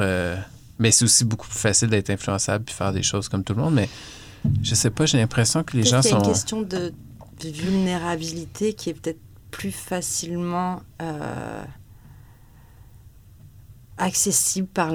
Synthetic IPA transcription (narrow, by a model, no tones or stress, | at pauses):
ø | mɛsɛosiboku̥plyfasɪld̪ɛt̪χɛ̃flyɑ̃sablpi̥fɛ̰ːʁd̪ḛʃoz̥kɔmt̪ulmɔ̃d̪mɛ | ʒəsɛpaʒelɛ̃pχesjɔ̃kəleʒɑ̃asɔ̃kɛst̪jɔ̃d̪ə | d̪̥əvylneʁabilit̪ʰekʲiɛpø̥t̪ɛt̪χ | pʰlyfasilmɑ̃ø̰ | aksesiblpaʁ